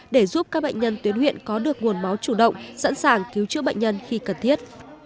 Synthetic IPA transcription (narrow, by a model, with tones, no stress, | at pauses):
ɗe˧˩zu˦˥p̚kaː˦˥k̚ɓə̰˧˨ŋ̟ɲə˧nt̪wi˨˦ənhwḭ˧˨ənkɔ˨˦ɗɨ˨˩ək̚ŋu˨˩ənma˨˦wt͡ɕu˧˩ɗə̰˧˨wŋ͡msa̰˧˥nsaː˧˩ŋki˨˦wt͡ɕɨ̰˧˥əɓ̰jŋ̟ɲə˧nxi˧kə˨˩nt̪ʰi˦˥ət̚